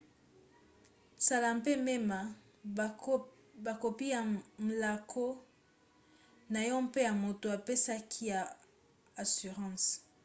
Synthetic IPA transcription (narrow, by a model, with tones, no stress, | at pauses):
sa˨la˨mpe˦me˦ma˨ | ba˨ko˨pi˦ja˨m̩˨la˨kʰo˦ | na˨jɔ̃˦mpe˦ja˨mo˨to˨a˨pe˦sa˦kʰi˦ja˨ | a˨sy˨ʁɑ̃˦˨s